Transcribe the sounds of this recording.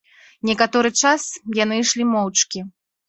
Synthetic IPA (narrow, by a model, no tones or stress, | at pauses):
nʲɛkat̪ɔɾɨt͡ʂasjan̪ɨjʂlʲimɔwt͡ʂkʲi